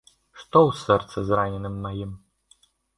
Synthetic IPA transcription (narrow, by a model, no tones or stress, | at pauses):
ʂt̪ɔwsɛrt̪sɐzranʲɛnɨmːajim